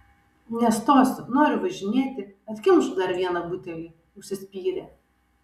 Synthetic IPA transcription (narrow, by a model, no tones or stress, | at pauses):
nʲɛst̪oːsnoːɾʲʊʋɐʒʲɪnʲeːt̪ʲɪkɐt̪ʲkʲɪmʃʊd̪ɐɾʋʲiɛnɐbʊt̪ʲɛlʲiː | ʊʃʲsʲɪsʲpʲiːɾʲɛ